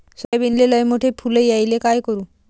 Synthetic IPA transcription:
sajbinleləjmoʈʰepʰulejajlekajkɔɾu

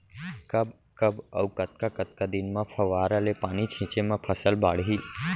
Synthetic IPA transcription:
kəb | kəbəwkət̪̚kakət̪̚kad̪inmãpʰəʋaːɾəlepaːnit͡ʃʰɪ̃t͡ʃemãpʰəsəlbaːɽɦil

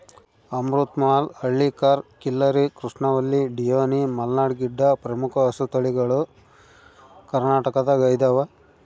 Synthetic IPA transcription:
ɐmɾut̪maːlɐɭːikaːɾkilːɐɾikɾuʂɳɐʋɐlːiɖijoːnimɐlnaːɽɡiɖːɐpɾɐmukʰɐɐsut̪ɐɭiɡɐɭu | kɐɾnaːʈɐkɐd̪ɐɡɐjd̪ɐʋɐ

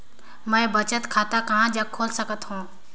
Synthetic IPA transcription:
mə̃bət͡ʃət̪kʰaːt̪aːkəɦãːd͡ʒəkʰːoːlsəkət̪ɦũː

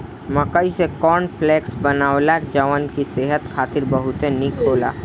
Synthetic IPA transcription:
mɐkaisekɔːnpʰleːksbɐnaːolakd͡ʒəʋaːnkiseːɦət̪kʰaːt̪ɪɾbɐɦʊt̪enikʰoːla̰ː

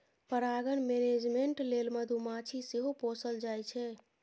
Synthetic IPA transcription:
pəɾaɡənmened͡ʒmeɳʈlelməd̪ʱumat͡ʃʰiseɦoposəld͡ʒajt͡ʃʰɛ

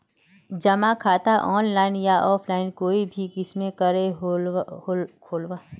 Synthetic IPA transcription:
d͡ʒɐmãkʰaːt̪aʔɔːnlaːɪnjaʔɔːpʰlaːɪnkoːibʱikɪsmẽkɐɾeɦ | kʰoːlʋaː

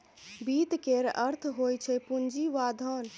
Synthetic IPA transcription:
bit̪keɾəɾt̪ʰɦojt͡ʃʰɛpund͡ʒiʋad̪ʱən

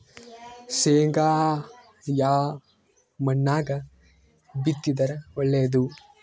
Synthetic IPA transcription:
seːŋɡaː | jaː | mɐnːaːɡɐ | bit̪ːid̪ɐɾɐɔɭːeːɐd̪u

